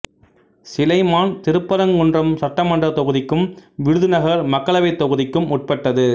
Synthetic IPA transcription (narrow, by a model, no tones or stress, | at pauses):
sɪlɐɪmaːnt̪ɪɾɯpːɐɾɐŋːɯndrɐmsɐʈːɐmɐɳdrɐt̪ɔɣɯðɪkːɯmʋɪɻɯðɯnɐɣɐɾmɐkːɐɭɐʋɐɪt̪ːɔɣɯðɪkːɯmʊʈ̚pɐʈːɐðɯ